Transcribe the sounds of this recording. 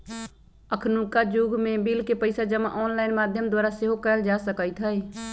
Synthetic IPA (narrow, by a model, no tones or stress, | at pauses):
əkʰnukad͡ʒuɡʱmẽbilkepəɪsad͡ʒəma̰ʔɔːnlaːɪnmaːd̪ʱjəmd̪waːɾaseɦokəəld͡ʒasəkəjt̪ʰɦəj